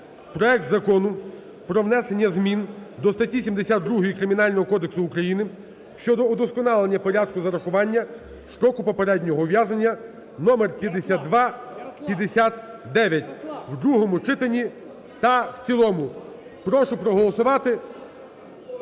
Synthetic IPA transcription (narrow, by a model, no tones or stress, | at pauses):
pɾɔɛk̚t̪zɐkɔnʊ | pɾɔwnɛse̞nʲːɐzmʲind̪ɔst̪ɐtʲːisʲimd̪esʲad̪ːɾuɦɔjikɾɪmʲinɑlʲnɔɦɔkɔd̪eksʊːkɾɐjinɪ | ʃt͡ʃɔd̪ɔːd̪ɔskɔnɑlˠenʲːɐpɔɾʲad̪̚kʊzɐɾɐxʊʋɑnʲːɐ | ʃɾɔkʊpɔpeɾɛdʲnʲɔɦɔʋjazɐnʲːɐ | nɔmerpʲjɐd̪esʲat̪̚d̪ʋɑpʲjɐd̪esʲat̪d̪ɛʋʲjɐtʲwd̪ɾuɦɔmʊt͡ʃɪt̪enʲi | t̪ɐwt͡sʲilˠɔmʊ | pɾɔʃʊpɾɔɦɔlˠɔsʊʋɑt̪ɪ